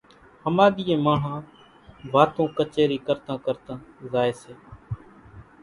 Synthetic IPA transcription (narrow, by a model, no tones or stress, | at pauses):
həmaːɗ̪ɪːẽːmãːɦãː | ʋaːt̪õːkət͡ʃeːɾiːkəɾt̪ãːkəɾt̪ãːzaːeːseː